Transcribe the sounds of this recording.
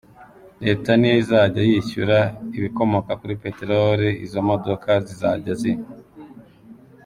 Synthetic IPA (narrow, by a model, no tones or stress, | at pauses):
ɾe̞ːtanijizaːɟajiçuɾaiβiko̞mo̞kakuɾipe̞teɾoɾiizo̞mo̞dokʰazizaːɟazi